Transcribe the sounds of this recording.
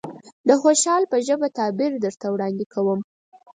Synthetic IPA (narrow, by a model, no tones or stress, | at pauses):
d̪əxoʃɑlpəʒəbat̪ɑbɪɾd̪əɾt̪awɽɑnd̪ɪkʰawəm